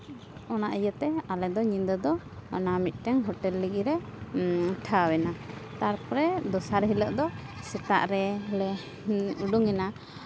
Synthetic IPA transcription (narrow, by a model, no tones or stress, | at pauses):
ɔnaʔijət̪ɛalɛd̪ɔɲind̪əd̪ɔ̰ː | namit̪̚ˀʈɛŋɦɔʈɛlːəɡiɾɛ | ʈʰawɛnat̪aɾpɔɾɛd̪ɔsaɾɦiləʔd̪ɔ | sɛt̪a̰ʔɾɛlɛ | uɖuŋɛna